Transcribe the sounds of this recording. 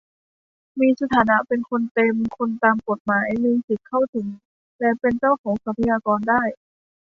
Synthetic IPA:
miː˧sa˧t̪ʰaː˩˦na˦˥pe˧nkʰo˧nt̪e˧mkʰo˧nt̪aː˧mko˨˩t̪̚maː˨˩˦jjmiː˧ŋsi˨˩t̪̚kʰːa˥˩wt̪ʰɯ˩˦ŋ | lɛ˧pe˧nt͡ɕaː˥˩wkʰɔː˩˦ŋsa˧˦pʰa˧jaː˧kɔː˧ndaː˥˩j

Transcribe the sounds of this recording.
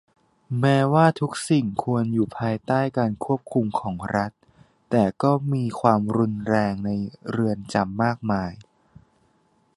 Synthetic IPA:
mɛː˦˥waː˥˩t̪ʰu˦˥k̚si˨˩ŋkʰu˧ənjuː˨˩pʰaː˧jt̪aː˥˩jkaː˧nkʰu˥˩əp̚kʰu˧mkʰɔː˩˦ŋɾa˦˥t̪̚ː | ɛː˨˩kɔː˥˩miː˧kʰwaː˧mɾu˧nɾɛː˧ŋna˧jɾɯ˧ənt͡ɕa˧mːaː˥˩k̚maː˧j

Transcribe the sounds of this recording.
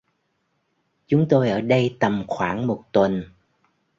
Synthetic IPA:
t͡ɕʊ˨˦ŋ͡mt̪o˧jʔəː˧˩ɗə˧jt̪ə˨˩mxwaː˧˩ŋmo˨˩t̚t̪wə˨˩n

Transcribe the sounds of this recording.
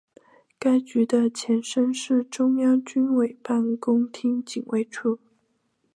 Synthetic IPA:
ka˥ɪt͡ɕy˧˥d̪ə˧t͡ɕʰjɛ˧˥nʂə˥nʂɻ̩˥˩ʈ͡ʂʊ˥ŋjɑ˥ŋt͡ɕy˥nwe˨˩ɪpa˥˩nkʊ˥ŋt̪ʰi˥ŋt͡ɕi˨˩ŋwʔḛ˥˧ɪʈ͡ʂʰu˥˩

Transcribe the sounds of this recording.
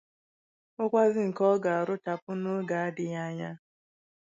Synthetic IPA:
o˦kʷa˦zɪ˦ŋ̩˨kɔ˦ɡa˨a˨ɾʊ˦ta˨pʊ˦nʊ˦ɡa˨a˦dɪ˨ja˦ɲa˦

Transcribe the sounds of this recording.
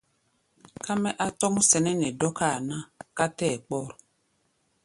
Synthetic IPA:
ka˦mɛ˦ʔa˦tɔ˦mu˦sɛ˨nɛ˦nɛ˨dɔ˦ka˦˨nã˦ka˦tɛː˦˨k͡pɔ˦˨ɾ

